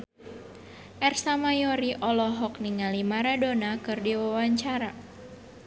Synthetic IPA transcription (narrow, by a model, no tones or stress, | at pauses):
ʔɛrsamajɔɾiʔɔlɔɦɔk̚niŋalimaɾadonakɨrdiwawaɲt͡ʃaɾa